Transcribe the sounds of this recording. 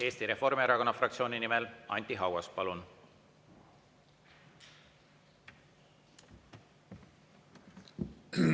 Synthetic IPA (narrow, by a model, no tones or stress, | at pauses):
e̞ːst̪iɾe̞fo̞rmeeɾɑko̞nːɑfrɑkt̪sio̞ːnʲinimelʔɑ̰nʲt̪ʲˑiɦɑwɑspɑlun